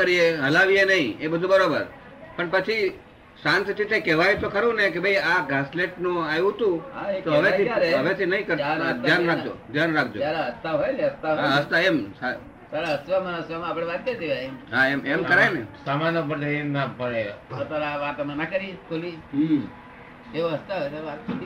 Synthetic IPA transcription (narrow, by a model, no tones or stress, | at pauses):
əɾieɦəlaʋienəɦĩebəd̪ʱubəɾobəɾ | pəɳpət͡ʃʰi | sãnt̪ɾit̪ekɛʋajt̪okəɾũnek̬ebʱəiaɡasleʈnũajũt̪ũet̪oɦəʋeiaɾɦəʋet̪ʰinəɦĩkəɾad̪ʱjanɾak̚ʰd͡ʒo̰d̪ʱjanɾak̚ʰd͡ʒoalaɦəst̪aɦojleɦəst̪aaɦəst̪aema | saɾaɦəsʋamanəsʋamãapəɽ̃eʋank̪ed͡ʒeaemɦaememkəɾajnesamanopəɳt̪eemnapəɽeot̪aɾaʋat̪manakəɾikʰoli | eoɦəst̪aɦoj̪aat̪